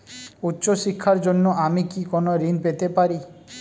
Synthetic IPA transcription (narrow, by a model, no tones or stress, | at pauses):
utːʃɔʃikʰːaɾd͡ʒonːɔʔamikikɔnɔɾinpet̪epaɾi